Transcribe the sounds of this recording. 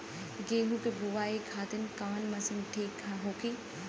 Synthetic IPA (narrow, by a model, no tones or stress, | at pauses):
ɡeːɦũkebuʋaːikʰaːt̪ɪnkaːnmɐsɪ̃ŋɡʈʰeːkʰaɦoːki